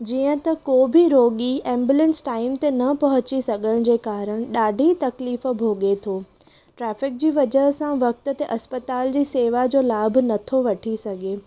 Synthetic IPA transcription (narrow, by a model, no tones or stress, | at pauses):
d͡ʑiːə̃t̪ɐkobʱɪɾoːɠiɛ̃ːmbjulə̃nsʈaːɪmt̪enɐpɐɦʊt͡ɕisɐɠʱəɽ̃d͡ʑeːkaːɾəɽ̃ɗaːɖʱit̪ɐkliːfbʱoːɠet̪ʰoː | ʈɾɛːfɪk̚d͡ʑiːʋɐd͡ʑəɦsãʋɐk̚t̪ʊ̆t̪eʔɐspət̪aːld͡ʑiːseːʋad͡ʑoːlaːb̆ʱnɐt̪ʰoʋɐʈʰisɐɡʱeː